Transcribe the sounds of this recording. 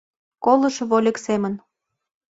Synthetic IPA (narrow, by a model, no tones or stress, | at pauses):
kolə̆ʃβolʲĕksemə̆n